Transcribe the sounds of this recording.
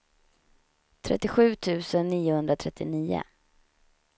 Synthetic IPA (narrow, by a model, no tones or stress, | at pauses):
t̪ʰɾɛ̰t̪ːɪɧʉ̟ːt̪ʰʉ̟ːsənːiːʊhɵnd̪ɾat̪ʰɾɛt̪ʰːɪniːʊ̰